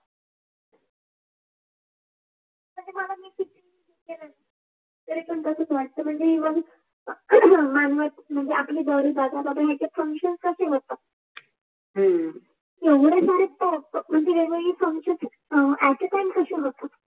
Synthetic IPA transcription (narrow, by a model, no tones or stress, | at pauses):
m̤əɳd͡zeməlamiːkit̪in | ikela | t̪əɾet͡ɕəɳk̪əsəːt͡sʋaʈ̚t̪əm̤əɳd͡zeʋəɡ | manʋat̪̚m̤əɳd͡zeapliːd̪əʋɾiːbad̪at̪at̪əɦjat͡ɕafəŋkɕənskəɕeɦot̪ːa | eʋɽesaɾetəpm̤əɳd͡zeʋeɡeiːfəŋkɕənt͡s | æʈəʈajnkəɕeɦot̪a